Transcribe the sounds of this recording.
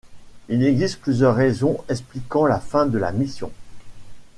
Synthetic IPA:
ilɛɡzist̪̚plyzjœʁːezɔ̃ɛks̬plikɑ̃lafɛ̃d̪əla̰misjɔ̃

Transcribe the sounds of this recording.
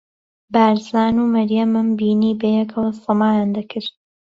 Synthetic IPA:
baːɾzaːnuːmɐɾjɐmɨmbiːniːbɐjɛkʰɐlˠsɨmaːjaːnd̪ɐkʰɨɾt̪̚

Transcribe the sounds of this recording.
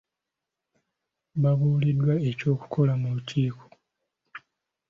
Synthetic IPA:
βaβuːlidːwae̞co̞ːku̥kʰo̞lamulutʰiːkʰo̥

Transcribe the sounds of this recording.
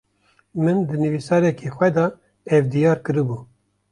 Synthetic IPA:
mɨnd̪ɨnɨvisɑːɾɛkʰexʷwɛd̪ɑ | ɛvd̪ijɑːɾkɨɾɨbuː

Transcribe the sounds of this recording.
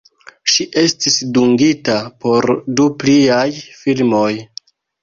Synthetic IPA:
ʃiʔe̞stisduŋɡitapo̞ɾdupliajfilmo̞j

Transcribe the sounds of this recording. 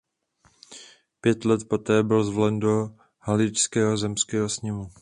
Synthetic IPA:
pjɛt̪lɛt̪po̞t̪ɛːbɪlzvlɛndo̞ | halɪt͡ʃskɛːɦo̞zɛmskɛːɦosɲɪmu

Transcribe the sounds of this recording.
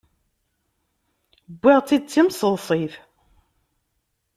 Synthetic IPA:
bʷːiʁt͡sːid̪̚t͡sːimsəlsˤiθ

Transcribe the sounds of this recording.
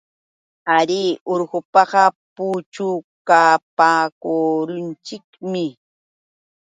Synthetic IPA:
aɾiʔoɾɢʊpɑɢɑput͡ʃʊkapaːkoɾʊnt͡ʃɪkmɪ

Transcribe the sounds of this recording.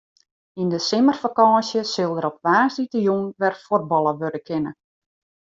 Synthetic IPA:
indəsɪmərfakɑːsjəsɪlˠdəɾɔp̚ʋaːsditəjunʋɛrfor̚bɑlˠəʋørdəkʰɪnə̰

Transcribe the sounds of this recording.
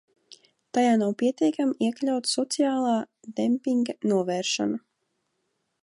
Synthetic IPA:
t̪ajaːnawpʲiɛt̪ʲiɛkamiɛklʲawt̪sɔt̪siaːlˠaː | d̪empʲiŋɡanuɔvɛːɾʃa̰na

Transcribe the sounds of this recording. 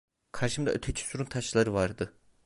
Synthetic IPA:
kʰaɾʃɯmd̪aʔøt̪ʰet͡ʃʰy̥suɾunt̪ʰaʃlˠaɾɯvaɾd̪ɯ

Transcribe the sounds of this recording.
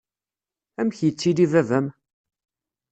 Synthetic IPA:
æmçjət͡sːid̪ivævæm

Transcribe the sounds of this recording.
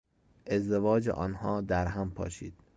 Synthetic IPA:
ʔe̞zd̪evɒːd͡ʒḛʔɒːnhɒːd̪æɾɦæmpʰɒ̰ːʃḭːd̪̥

